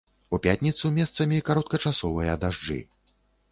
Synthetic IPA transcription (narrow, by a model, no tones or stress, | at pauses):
upʲat̪ʲnʲit̪sumʲɛst̪sɐmʲikaɾɔt̪̚kɐt͡ʂasɔvɨjɐd̪aʐd͡ʐɨ̰